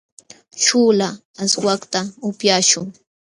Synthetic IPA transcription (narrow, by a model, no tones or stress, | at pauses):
ʃuːlaː | swakt̪aʊpjaːʃʊŋ